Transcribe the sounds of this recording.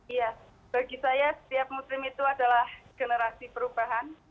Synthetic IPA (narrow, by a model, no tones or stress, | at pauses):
ija | b̥aɡisajasə̥t̪iap̚muslɪmit̪uadalahɡ̥enəɾasipəɾubaɦan